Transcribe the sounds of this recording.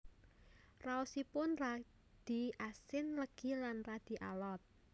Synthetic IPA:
rausipʊnra | d̪̥i̤asɪnləɡ̥i̤lanrad̪̥i̤ʔa̰lɔt̪̚

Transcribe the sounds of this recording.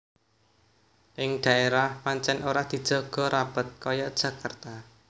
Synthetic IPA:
ʔɪŋɖ̥ä̤eɾahmaɲt͡ʃɛnoɾad̪̥i̤d̥ʒ̥ɔ̤ɡ̥ɔ̤ɾab̥ə̤t̪̚kɔjɔd̥ʒ̥ä̤kart̪a

